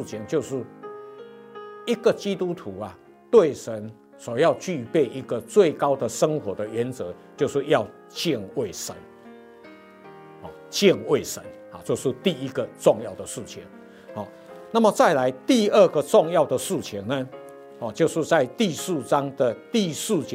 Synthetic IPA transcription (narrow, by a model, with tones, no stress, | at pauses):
t͡ɕʰi˨˦ŋt͡ɕjo˥˧ʊʂɻ̩˥˩ | i˦ɡə˨t͡ɕi˦t̪u˦t̪ʰu˨˦a˨ | t̪we˥˨˩ɪʂə˨˦n | swɔ˨˩jɑ˥˧ʊt͡ɕy˥˧pe˥˩ɪʔi˦˥ɡə˨t͡swe˥˩ɪka˦˥ʊd̪ə˨ʂə˦ŋxwɔ˨˥d̪ə˨ɥɛ˨˦nt͡sɤ˨˦ | t͡ɕjo˥˧ʊʂɻ̩˥˧jɑ˥˨ʊ | t͡ɕjɛ˥˧nwe˥˩ɪʂə̰˨˦n | hɔ̰˨˩t͡ɕjɛ˥˨nwe˥˩ɪʂə̰˨˦nhɔ̰˨˩t͡ɕjo˥˧ʊʂɻ̩˥˨t̪i˥˨i˦˥ɡə˨t͡sɔ˥˧ŋjɑ˥˨˩ʊd̪ə˩ʂɻ̩˥˩t͡ɕʰḭ˨˦ŋ | hɔ̰˨˩ | na˥˨˩mə˨˩t͡sa˥˩ɪla˨˦ɪt̪i˥˧ə˥˩ɡə˨t͡sɔ˥˧ŋjɑ˥˨ʊd̪ə˨ʂɻ̩˥˩t͡ɕʰi˨˦ŋnə˨ | hɔ˨˩t͡ɕjo˥˧ʊʂɻ̩˥˧t͡sa˥˧ɪt̪i˥˧ʂɻ̩˥˩t͡sa˦ŋd̪ə˨t̪i˥˧sɹ̩˥˩t͡ɕ